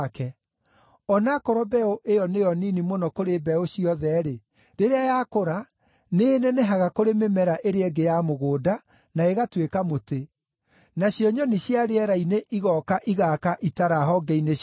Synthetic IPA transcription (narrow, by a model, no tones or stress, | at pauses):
kɛ | ɔnakɔɾɔbɛoʔejɔnejɔninimonɔkoɾebɛoɕiɔðɛɾe | ɾeɾeajakoɾa | neneneɦaɣakoɾememɛɾaʔeɾeɛɡejamoɣoːda | naeɣatwekamote | naɕjɔɲɔniɕjaɾeɛɾaineʔiɣɔkaʔiɣakaʔitaɾaɦɔɡɛine